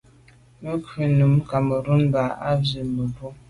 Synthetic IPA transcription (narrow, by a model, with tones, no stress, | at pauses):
mə˦kʰʉ˨nu˨m˦ka˨mə˨ɾu˦nba˨a˦bi˨mə˨ɾu˦